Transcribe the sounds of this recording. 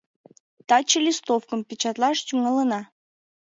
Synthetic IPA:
t̪ɑt͡ɕəlʲist̪ofkəmpʲit͡ɕɑt̪lɑʃt͡ɕuŋɑlənɑ

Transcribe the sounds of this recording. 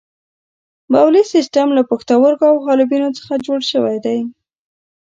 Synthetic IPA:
bawlisisʈamlapəxt̪awəɾkoawɦɑlɪbinot͡sə̥xad͡ʒoɽʃəwajd̪aj

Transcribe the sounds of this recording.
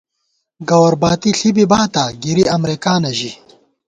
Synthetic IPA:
ɡɐwɐɾbaːt̪iɬibibaːt̪aːɡiɾiɐmɾikaːnɐʑi

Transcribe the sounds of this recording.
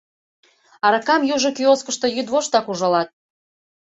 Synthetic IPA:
ɑɾɤ̆kɑmjuʒŏkyoskəʃt̪o̽jyd̪βoʃt̪ɑkuʒɑlɑt̪̚

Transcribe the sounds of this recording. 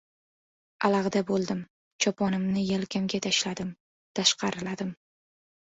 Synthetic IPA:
alɑʁd̪abolˠd̪ɪm | t͡ʃʰɒpʰɒnɪmnɪjelkʲʰamɡʲat̪ʰaʃlad̪ɪm | t̪ʰaʃqɑɾɪlad̪ɪm

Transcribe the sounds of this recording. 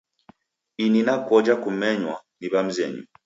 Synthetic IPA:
ininakɔd͡ʒakumɛɲwaniβam̩zɛɲṵ

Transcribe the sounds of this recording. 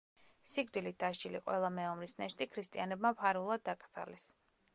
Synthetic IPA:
siɡd̪ilit̪̚d̪̥aʃt͡ʃiliqʼwɛ̰lˠamɛɔmɾisnɛʃt̪ʼikʰɾist̪ʼianɛbmapʰaɾulˠad̪ːakʼɾsʰa̰lɛs

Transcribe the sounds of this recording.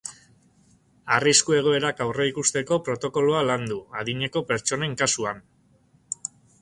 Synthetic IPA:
ariskue̞ɣ̞o̞e̞ɾakawreikust̪e̞ko̞pɾo̞t̪o̞ko̞loaland̪uað̞iɲe̞ko̞pe̞ɾt͡ʃo̞ne̞ŋkasuan

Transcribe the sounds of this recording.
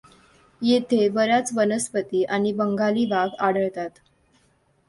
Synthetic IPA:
jet̪ʰebəɾat͡sʋənəspət̪iːʔaɽ̃ibəŋɡaliːʋaɡaɽ̤əɭt̪at̪

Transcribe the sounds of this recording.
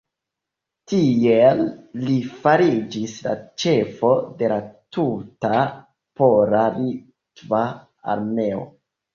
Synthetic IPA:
tielːifaɾid͡ʒisla̰t͡ʃe̞fo̞de̞latuta | po̞ɾali | tva | a̰ɾme̞o̞̰

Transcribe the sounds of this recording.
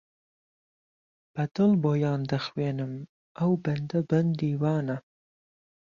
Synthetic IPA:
b̥ad̪əlbojɑːnd̪axwenəm | awband̪aband̪iwɑːna

